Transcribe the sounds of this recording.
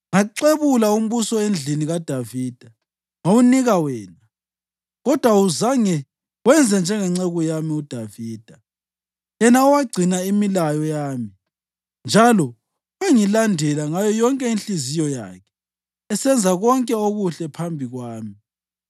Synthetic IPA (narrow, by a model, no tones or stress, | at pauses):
ŋaǀeβulaum̩βusɔend͡ɮʱiniɣad̥ʱaviːd̥ʱa | ŋouniɣawɛːna | ɣɔd̥ʱwauzaŋɛ | wɛnd͡zʱɛnd͡ʒʱɛŋɛŋ͡ǀeɣujamiud̥ʱaviːd̥ʱa | jɛnauwaɡ͡ǀʱinaimilajɔjaːmi | nd͡ʒʱalɔ | weŋilandʱɛlaŋajɔjɔŋkʼɛinɬizijɔja̰ːkʰɛ̥ | ɛsɛnd͡zʱaɣɔŋkʼɛoɣuɬɛpʰambʱiɣwaːmi